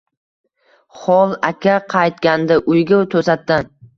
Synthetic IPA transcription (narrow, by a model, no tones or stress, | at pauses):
χɒlˠakʲʰaqʰɑjt̪̚kʲand̪aʔʊjɡʲat̪ʰɵsat̪ːan